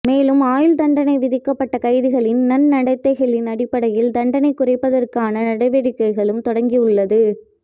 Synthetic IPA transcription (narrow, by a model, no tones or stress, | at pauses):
meːlɯmaːjɪld̪ɐɳɖɐnɐɪʋɪðɪkːɐpːɐʈːɐkɐɪðɯɣɐɭɪnːɐnnɐɽɐɪt̪ːɐɣɐlɪnɐɽɪpːɐɽɐjɪld̪ɐɳɖɐnɐɪkːʊrɐɪpːɐðɐrkaːnɐnɐɽɐɪʋeɽɪkːɐɪɣɐɭɯmt̪ɔɽɐŋɡiɯɭːɐðɯ